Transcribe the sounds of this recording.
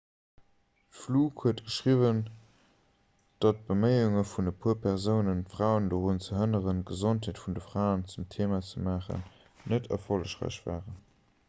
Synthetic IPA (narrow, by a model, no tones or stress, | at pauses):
fluːkhuətɡ̥əʃʁivən | d̥ɑt̚b̥əməɪuŋəfundəpʰuːɐpʰɛʁzəʊnənfʁaʊəndəʁunt͡səɦənəʁənɡ̥əzontheːtfundəfʁaʊənt͡sumtʰeːmat͡səmaːχə̰nː | ətʰɛ̰ɐfoləʃʁæ̰ɪɕv̥a̰ːʁən